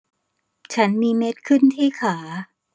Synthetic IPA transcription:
t͡ɕʰa˦˥nmiː˧me˦˥t̪̚kʰɯ˥˩nt̪ʰiː˥˩kʰaː˩˦

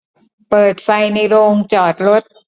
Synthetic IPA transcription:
pɤː˨˩t̪̚fa˧jna˧jɾoː˧ŋt͡ɕɔː˨˩t̪̚ɾo˦˥t̪̚

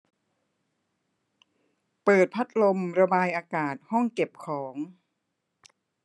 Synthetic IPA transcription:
pɤː˨˩t̪̚pʰa˦˥t̪̚lo˧mɾa˧baː˧jʔaː˧kaː˨˩t̪̚hɔ˥˩ŋke˨˩p̚kʰɔː˩˦ŋ

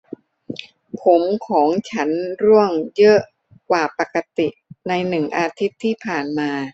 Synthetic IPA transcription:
pʰo˩˦mkʰɔː˩˦ŋt͡ɕʰa˦˥nɾu˥˩əŋjɤ˦˥ʔ | kwaː˨˩pa˨˩kːa˧t̪i˨˩na˧jnɯ˨˩ŋʔaː˧t̪ʰi˦˥t̪ʰːiː˥˩pʰaː˨˩nmaː˧

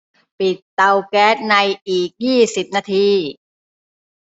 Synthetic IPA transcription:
pi˨˩t̪ːa˧wkɛː˦˥t̪̚na˧jʔiː˨˩k̚jiː˥˩si˨˩p̚naː˧t̪ʰiː˧

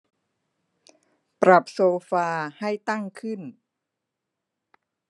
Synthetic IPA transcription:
pɾa˨˩p̚soː˧faː˧ha˥˩jt̪a˥˩ŋkʰɯ˥˩n

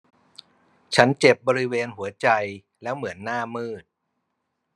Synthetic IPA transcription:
t͡ɕʰa˦˥nt͡ɕe˨˩p̚bɔː˧ɾi˦˥weː˧nhu˩˦ɐt͡ɕa˧j | lɛː˦˥wmɯ˩˦ənːaː˥˩mɯː˥˩t̪̚

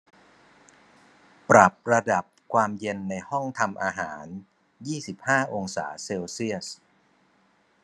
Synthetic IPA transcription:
pɾa˨˩p̚ɾa˧da˨˩p̚kʰwaː˧mje˧nːa˧jhɔ˥˩ŋt̪ʰa˧mʔaː˧ɦaː˩˦n | jiː˥˩si˨˩p̚haː˥˩ʔo˧ŋsa̰ː˩˦seː˧wsi˥˩əs

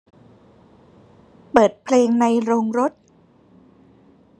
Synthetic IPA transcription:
pɤː˨˩t̪̚pʰleː˧ŋna˧jɾoː˧ŋɾo˦˥t̪̚

